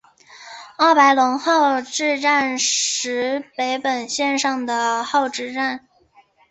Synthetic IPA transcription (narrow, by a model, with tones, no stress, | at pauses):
ɑ˥˩pa˧˥ɪlʊ˧˥ŋxɑ˥˧ʊʈ͡ʂɻ̩˥˧ʈ͡ʂa˥˩nʂɻ̩˧˥pe˧˥ɪpə˨˩nɕjɛ˥˧nʂɑ˥˩ŋd̪ə˩xɑ˥˧ʊʈ͡ʂɻ̩˥˧ʈ͡ʂa˥˩n